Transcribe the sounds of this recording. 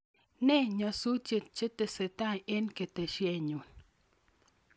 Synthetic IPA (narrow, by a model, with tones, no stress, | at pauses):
nɛ˦˨ɲa˨su˦t͡ʃe˨t̪̚t͡ʃe˦t̪e˨se˨t̪a˦˨e˦nke˨t̪e˨ʃje˧ɲu˨n